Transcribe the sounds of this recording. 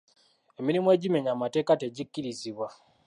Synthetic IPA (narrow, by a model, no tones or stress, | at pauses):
emiɾimoe̞ɟime̞ɲamate̞ːkate̞ɟikːiɾiziβwa